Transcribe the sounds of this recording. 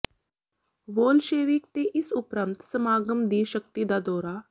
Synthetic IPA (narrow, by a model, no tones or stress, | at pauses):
ʋoːlʃeːʋɪkt̪eʔɪsʊpɾə̃mt̪səmaːɡəmd̪iːʃəkt̪id̪aːd̪ɔːɾaː